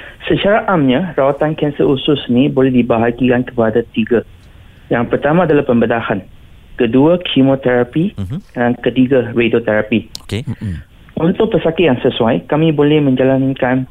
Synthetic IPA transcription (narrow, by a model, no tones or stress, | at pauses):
sət͡ʃaɾaʔamɲãɾawat̪ankɛnsəʔusʊsnĩbolɛhdibaɦaɡikankəpadat̪iɡa | jaŋpərt̪amãadalahpəmbədahan | kəduakʰimõt̪ɛɾapiaŋkət̪iɡaɾedot̪ɛɾapi | ʔunt̪ʊk̚pəsakɪjaŋsəsuajkamĩbolɛhmə̃ɲd͡ʒalankan